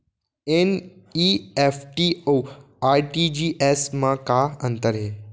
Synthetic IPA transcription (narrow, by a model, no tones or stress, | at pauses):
eniefʈio | aɾʈid͡ʑiʔesmãkaənt̪əɾɦe